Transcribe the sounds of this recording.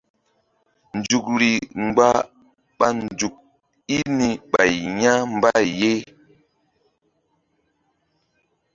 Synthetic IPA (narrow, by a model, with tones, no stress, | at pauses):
n˨d͡ʒu˨k̚ɾi˨ŋ͡mɡ͡ba˦ | ɓa˨nd͡ʒu˨k̚ | i˦ni˨ɓa˨jɲa˦m˦ba˦je˦